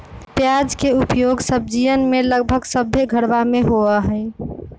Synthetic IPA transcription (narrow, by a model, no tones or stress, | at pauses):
pjad͡ʒkeupjoɡsəb̚d͡ʒijənmeləɡbʱəɡsəbʱːeɡʱəɽbameɦoəɦəɪ